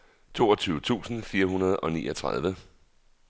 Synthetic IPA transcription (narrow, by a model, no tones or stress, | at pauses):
t͡sʰo̝ːɒ̽t͡sʰyːʊət͡sʰṵːsn̩fiːɐɦunɐð̞̩ˠɒ̽nḭːɒ̽t͡sʰʁað̞ˠʋə